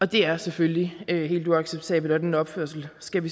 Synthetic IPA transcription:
ɒ̽d̥e̝æɐsefølːiøɦe̝̰ːlduɑ̈ɡ̥seb̥̚t͡sʰɛ̰ːb̥l̩æd̥enɒ̽b̥føɐ̰sl̩sɡ̥æʋi

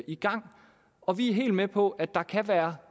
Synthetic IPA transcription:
iɡ̥ɑ̈ŋ̰ | ɒ̽ʋiæɦe̝̰ːld̥mepʰɒ̽ʔæd̥ɑ̈kʰæʋæːɐ

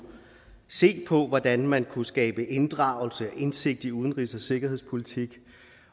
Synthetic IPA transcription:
se̝̰ːpʰɒ̽ʋɒd̥ænmænkʰusɡ̥ɛːb̥əʔe̝nd̥ʁɑ̈ʊl̩səæʔe̝nse̝ɡ̥̚d̥iuðˠən̩ʁisɒse̝ɡ̥ɐhe̝̰spʰo̝lit͡sʰiɡ̥

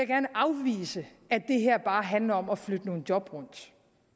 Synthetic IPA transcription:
ejaɡ̥æɐnəʔɑ̈ʊʋḭːsə | æd̥e̝ɦeɐ̰b̥ɑ̈ːɦænlɐɒ̽mɒ̽flød̥əno̝ːn̩d̥jɒ̽b̥ʁɔ̽n̰d̥

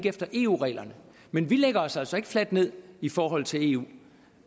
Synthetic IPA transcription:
ɡefd̥ɐʔe̝̰ːṵʁɛ̰ːlɐnə | menʋileɡ̥ɐɒ̽sæl̰sɒ̽e̝ɡ̥ə̥flæd̥ne̝ð̰ˠifɒːɦɒ̽l̰t͡sʰe̝le̝̰ːṵː

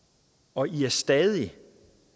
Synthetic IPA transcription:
ɒ̽ʔiæɐsd̥ɛðˠi

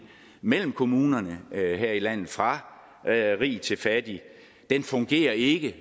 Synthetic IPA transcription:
mel̰m̩kʰo̝muːnɐnəɦeɐ̰ilæn̰ð̩ˠfʁɑ̈ | ʁḭːt͡sʰe̝lfæd̥i | d̥enfɔ̽ŋɡ̥e̝̰ːɐe̝ɡ̥ə

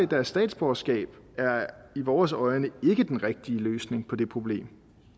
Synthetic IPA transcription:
d̥æɐsːd̥ɛ̰ːd̥sb̥ɒsɡ̥ɛ̰ːb̥ | æɐiʋɒːsɒ̽ɪnəe̝ɡ̥əd̥enʁɛɡ̥̚d̥iəløːsne̝ŋpʰɒ̽d̥e̝pʰʁo̝b̥le̝̰ːm

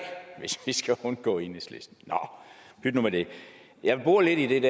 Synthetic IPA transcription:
ʋe̝sʋisɡ̥æhunɡ̥ɔ̰̽ːe̝nislḛsd̥n̩nɒb̥yd̥nomæd̥e̝ | jɑ̈ɪb̥uɐ̰le̝d̥id̥e̝d̥æ

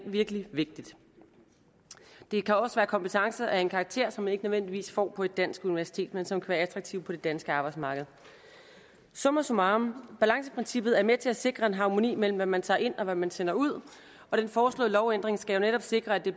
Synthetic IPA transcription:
ʋiɐɡ̥əliʋe̝ɡ̥̚d̥id̥ | d̥e̝kʰæɒ̽səʋæːɐkʰɒ̽mpət͡sʰɑ̈ŋsəʔæe̝nkʰɑ̈ːɡ̥̚t͡sʰe̝̰ɐ̰sɒ̽mæne̝ɡ̥ənøʋend̥iʋḭːsfɒ̰ːpʰɒ̽e̝d̥æn̰sɡ̥uniʋæɐsi̥t͡sʰe̝̰ːd̥mensɒ̽mkʰæʋæːɐæt͡sʰʁɑ̈ɡ̥̚t͡sʰiʊpʰɒ̽ɾ̥e̝d̥ænsɡ̥əɑ̈ːb̥ɑ̈ɪ̥smɑ̈ːɡ̥əð̞̩ˠ | sɔ̽mɐsomɑ̈ːmb̥ælɑ̈ŋsəpʰʁensib̥ð̩ˠæɐmet͡sʰe̝æse̝ɡ̥ʁɐe̝nɦɑ̈ːmo̝nḭːmel̰m̩ʋæmːænt͡sʰɑ̰̈ːe̝n̰ɒ̽ʋæmænsen̰ɐuð̞̰ˠ | ɒ̽ɾ̥enfɒːslɔ̰ːlɒʊend̥ʁeŋsɡ̥æjo̝neɾɒ̽b̥se̝ɡ̥ʁɐæd̥e̝

